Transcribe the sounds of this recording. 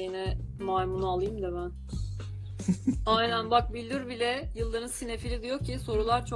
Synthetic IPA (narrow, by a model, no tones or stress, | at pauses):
jinɛmajmunaaːlˠɯjɯmd̪aβæn | ajnænbak̚bilʲd̪iɾbilʲɛjɯlˠːaɾɯnsine̞filʲid̪ijo̞kcʰːiso̞ɾulˠaɾt͡ʃʰo